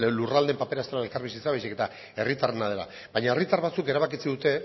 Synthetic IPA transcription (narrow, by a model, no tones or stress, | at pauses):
lurald̪e̞mpapeɾast̪eaelkaɾβisit͡saβajsike̞t̪a | e̞rit̪arenað̞e̞la̰ | βaɲae̞rit̪arβat͡suke̞ɾaβ̞akit͡siðut̪e̞